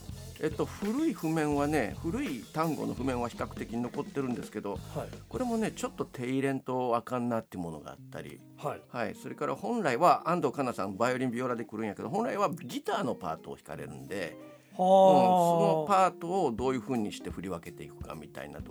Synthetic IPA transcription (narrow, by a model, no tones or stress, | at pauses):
et̪ːo̞ɸɯɾɯ̟iɸɯ̟mẽ̞ɰ̃βane̞ɸɯ̟ɾɯ̟it̪ãŋɡo̞̰no̞ɸɯ̟mẽ̞ɰ̃βaçi̥kakɯ̟̥t̪e̞kʲiɲ̟ino̞ko̞t̪ːe̞ɾɯ̟̃nd̪e̞sɨ̥ke̞d̪o̞ko̞ɾe̞mo̞ne̞t͡ɕo̞t̪ːo̞t̪ʰe̞iɾẽ̞nt̪o̞akãnːat̪ːeɯmo̞no̞̰ɡa̰ːt̪ːa̰ɾʲḭ | haiso̞ɾe̞kaɾʔa̰hõ̞nɾaiβaʔãnd̪o̞kanasãnbaioɾʲimbʲio̞ːɾad̪ekɯ̟ɾɯ̟̃ɰ̃jake̞d̪oɦõ̞ñɾaiβaɡʲit̪aːno̞pa̰ːt̪o̞̰ːçi̥ka̰ɾe̞̰ɾɯ̟̰̃nd̪e̞̰ | oso̞no̞paːt̪o̞ːd̪o̞ːjɯ̟ːɸɯ̟ːɲ̟iɕi̥t̪e̞ɸɯ̟ɾʲiβake̞t̪e̞ikɯ̟̥ka̰mʲit̪a̰ḭna̰t̪o